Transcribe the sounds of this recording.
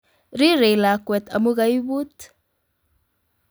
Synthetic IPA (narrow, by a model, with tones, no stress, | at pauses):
ɾi˦ɾe˨la˨kwɛ˨t̪a˨mu˦ɣa˦jbu˦t̪